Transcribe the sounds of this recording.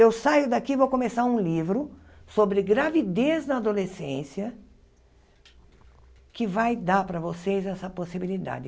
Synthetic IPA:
ewsajʊd̪akivowkõmesaɾũlivɾʊ | sobɾɪɡɾavid̪eznɐad̪olesẽsiɐ | kɪvajd̪aɾpɾɐvosejzɛsɐposibilid̪a̰d͡ʒɪ

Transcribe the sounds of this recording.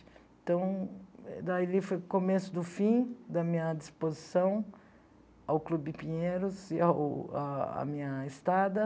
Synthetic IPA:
ɪ̥̃ | t̪ɐ̃w̃ | d̪ailifojʊkomesʊd̪ʊfĩd̪ɐmĩɲɐd͡ʒispozisɐ̃w̃ | awklubɪpĩɲeɾʊziawaa̰mĩɲɐest̪ad̪ɐ

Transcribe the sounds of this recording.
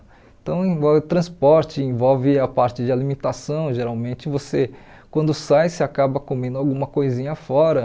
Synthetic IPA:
ẽt̪ɐ̃w̃ẽvɔwvɪt̪ɾɐ̃spɔɾt͡ʃɪẽvɔwvɪapaɾt͡ʃɪd͡ʒɪalimẽnt̪asɐ̃w̃ʒeɾawmẽnt͡ʃɪvose | kwɐ̃nd̪ʊsajsɪakabɐkomẽnd̪ʊawɡũmɐkojzĩɲɐfɔɾɐ

